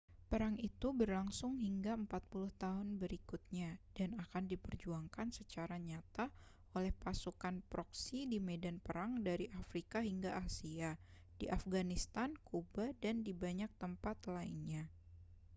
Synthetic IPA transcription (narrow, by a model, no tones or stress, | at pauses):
pəɾaŋit̪ubərlaŋsʊŋɦiŋɡaəmpat̪̚pulʊht̪aɦʊnbəɾikʊt̪̚ɲad̥anakandipərd͡ʒuaŋkansət͡ʃaɾaɲat̪a | olɛhpasukanpɾɔksidimedanpəɾaŋdaɾiʔafɾikaɦiŋɡaʔasia | diʔafɡanist̪ankubadandibaɲak̚t̪əmpat̪laḭnɲa